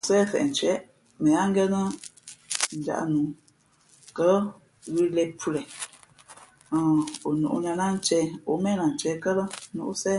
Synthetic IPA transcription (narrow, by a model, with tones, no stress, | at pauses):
sɛ˦˨fɛ̰˨n̩˨t͡ʃɛ˨˦ | mə˨ja˦ŋ˦ɡɛ˦nə˦ | n̩˨d͡ʒa̰˨ʔnu˨˦ | kə˦ | ɣi˦lɛ˦pʰu˦lɛ˨ | o˨nṵ˨ʔṵ˦ɲa˨na˦n̩˦t͡ʃɛ˦o˨˦mɛ˦˨na˨n̩˨t͡ʃɛ˦kə˦lə˦nṵ˨ʔsɛ˦